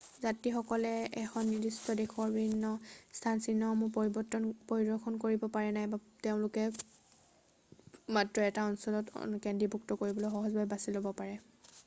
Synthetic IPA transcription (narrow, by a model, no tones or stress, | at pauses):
zatixɔkɔlɛɛxɔnːiɹdistɔdexɔɹbibʱinːɔstʰansinːɔmʊpɔɹibɔtːɔnpoɹidɔkʰɔnkoɹibɔpaɹɛnajbateʊ̃lʊkɛ | matɹɔɛtaɔnsɔlɔtkɛndɹibʱuk̚tɔkoɹibɔlojxɔɦɔzbʱabɛbasilobɔpaɹɛ